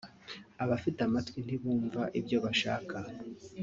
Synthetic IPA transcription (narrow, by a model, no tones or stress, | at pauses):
aβafitamatwin̥iβuːɱvaʔibɟo̞βaʃa̰ːkʰa